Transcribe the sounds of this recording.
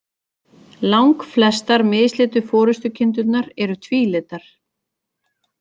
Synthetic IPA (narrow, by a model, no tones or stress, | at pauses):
lawŋkflɛst̪aɾmɪːðslɪːt̪ʏfɔːɾʏst̪ʏcʰɪnt̪ʏt̪naɾɛɾʏt̪ʰviːlɪːt̪aɾ̥